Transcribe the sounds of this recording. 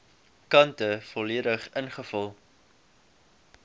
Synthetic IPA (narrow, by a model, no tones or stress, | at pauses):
kɐntəfɔliədəχənχəfəlˠ